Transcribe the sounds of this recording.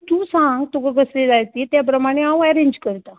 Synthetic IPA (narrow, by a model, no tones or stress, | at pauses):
t̪ũːsãŋɡt̪ukəɡəsled͡zajt̪iːt̪jap̬ɾəmaɽ̃eɦãwɛɾeɲd͡ʑkəɾt̪a